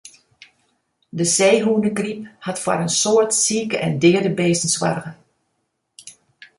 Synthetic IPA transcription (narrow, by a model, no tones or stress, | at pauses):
dəseːɦuːnəkrip̚hɑtfwa̰ɾənsoːɹtsiːkəʔɛ̰ndɪəɹdəbeːsənswa̰rɣə